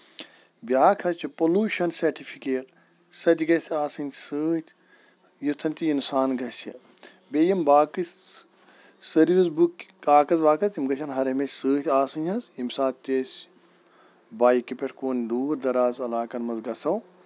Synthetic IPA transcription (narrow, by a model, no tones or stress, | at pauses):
bjaːkʰɐt͡ʃʰipoluːʃɐnsɐɾʈipʰikeːʈ | sɐt̪ʲiɡɐt̪ʲʰaːsɨnʲsɨːt̪ʰʲ | jut̪ʰːɐnʲt̪iinsaːnɡɐsɐ | beːjɐmbaːkɨs | sɐɾʋizbukːaːkɐzʋaːkɐzimɡɐt͡ʃʲʰɐnɦɐɾɐmɐsʲsɨːt̪ʰʲaːsɨnɐzimsaːt̪t̪ʲesʲ | baːjikipeʈʰkoːnʲd̪uːɾd̪ɐɾaːzɐlaːkɐnmɐzɡɐsɐw